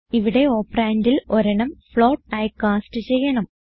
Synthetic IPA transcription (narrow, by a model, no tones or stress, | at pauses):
iʋiɽe̞o̞ːpraːndilo̞ɾɐɳɐmfɭoːʈ̚ɐjkːaːsʈɨt͡ɕejːɐɳɐm